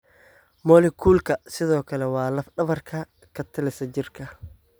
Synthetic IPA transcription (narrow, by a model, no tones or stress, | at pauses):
mɔːlɪkʰuːlkʰɐsɪðɔːkʰɐlɛwɑːlɐfɖɐβɐrkʰɐ | kʰɐt̪ʰɪlɪsɐd͡ʒɪrkʰɐ